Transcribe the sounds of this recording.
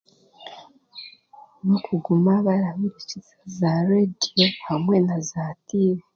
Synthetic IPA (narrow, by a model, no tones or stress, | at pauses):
nokʰuɡumaβaɾaβiɾicizḁzaɾediohamwenazatiɾe